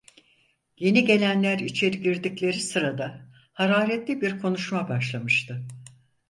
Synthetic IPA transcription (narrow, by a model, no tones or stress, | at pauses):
je̞niɟe̞lʲænlʲæɾit͡ʃʰe̞ɾiɟiɾd̪iclʲe̞ɾisɯɾad̪a | haɾaːɾɛt̪lʲibiɾkʰo̞nuʃmabaʃlˠamɯʃt̪ʰɯ